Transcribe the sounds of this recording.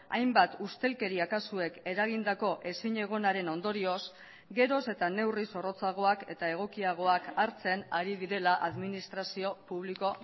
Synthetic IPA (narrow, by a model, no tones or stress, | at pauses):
a̰jmbat̪ust̪e̞lke̞ɾiakasue̞ke̞ɾaɣ̞ind̪ako̞ʔe̞siɲe̞ɣ̞o̞naɾe̞no̞nd̪o̞ɾio̞s | ɡe̞ɾo̞se̞t̪ane̞wriso̞ro̞t͡saɣ̞o̞ake̞t̪ae̞ɣ̞o̞kiaɣ̞o̞akaɾt͡se̞naɾiðiɾe̞laʔaðminist̪ɾasio̞puβ̞liko̞